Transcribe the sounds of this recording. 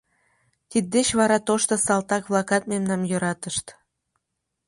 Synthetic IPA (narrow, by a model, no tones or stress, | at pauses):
t̪id̪̚ːet͡ɕβɑɾɑt̪oʃt̪osɑlt̪ɑkβlɑkɑt̪̚memnɑmjøɾɑt̪əʃt̪